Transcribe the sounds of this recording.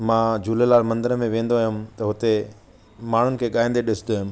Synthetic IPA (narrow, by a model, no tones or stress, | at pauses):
mãːd͡ʑuːlelaːlmɐ̃nd̪əɾəmẽʋẽːnd̪oaːɦjʊmt̪ɐɦʊt̪e | maːɳ̤ʊnɪ̆kʰeːɠaːɪ̃nd̪eɗɪsɪd̪oːɦʊm